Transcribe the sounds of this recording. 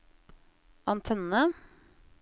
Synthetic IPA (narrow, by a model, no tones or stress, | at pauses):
ʔɑnt̪ʰɛnə